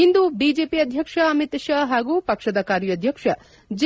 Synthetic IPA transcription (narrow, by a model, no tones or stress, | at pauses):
ind̪ubid͡ʒeːpiɐd̪ʱjɐkʂɐɐmit̪ɐʃɐɦaːɡupɐkʂɐd̪ɐkaːɾjɐd̪ʱjɐkʂɐ | d͡ʒ